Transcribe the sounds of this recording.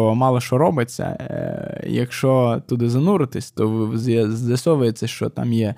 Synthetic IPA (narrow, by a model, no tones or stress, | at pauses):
ɔmɑlˠɐʃt͡ʃɔɾɔbɪt͡sʲːɐ̰ | jɐ̰kʃt͡ʃɔt̪ʊd̪ɪzɐnuɾɪt̪ɪsʲt̪ɔzzɐsɔʋʊjet͡sʲːɐʃt͡ʃɔ̰t̪ɑ̰mjɛ